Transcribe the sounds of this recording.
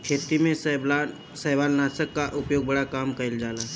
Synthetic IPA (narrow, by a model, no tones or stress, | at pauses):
kʰet̪imẽsa | səɦʋalnasəkːaʔupjoɡ̚bəɽakamkəild͡zala